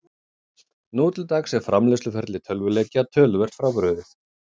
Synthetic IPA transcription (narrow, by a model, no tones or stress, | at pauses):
nuːt̪lt̪aːksɛɾfɾamlɛslʏfɛɾt̪lɪt̪ʰœlvʏlɛcat̪ʰœːlvɛr̥t̪fɾawpɾœːðɪθ